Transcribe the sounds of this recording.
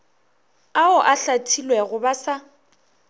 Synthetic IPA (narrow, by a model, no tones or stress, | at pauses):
aʊʔaɬatʰilwɛɣʊbasa